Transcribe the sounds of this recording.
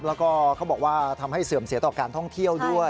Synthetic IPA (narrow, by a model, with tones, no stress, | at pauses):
lɛː˦˥wkɔː˥˩kʰa˦˥wbɔː˨˩k̚waː˥˩t̪ʰa˧mɦa˥˩jsɯː˨˩msi˨˩˦t̪ɔː˨˩kaː˧nt̪ʰɔ˥˩ŋt̪ʰi˥˩əwdu˥˩ə